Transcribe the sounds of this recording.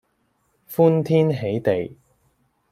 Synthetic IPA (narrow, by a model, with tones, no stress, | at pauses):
fuː˥nt̪ʰiː˥nɦe˨˥jt̪e˨j